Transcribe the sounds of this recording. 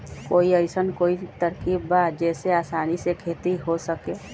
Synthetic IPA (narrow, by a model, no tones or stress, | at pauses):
koːiəɪsənkoːit̪əɾkibbaːt̪d͡ʒɛːseaːsaːnisekʰeːt̪iɦosəkeː